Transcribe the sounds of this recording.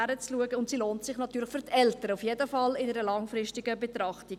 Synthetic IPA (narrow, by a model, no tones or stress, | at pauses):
æɾət͡sluəɡəʊntsiloːntsɪχnɑt̪yːɾlɪχfʏɾʁtʰɛltəɾəufjedəfɑlɪnəɾəlɑŋfɾɪstiɡəbet̪ɾɑχti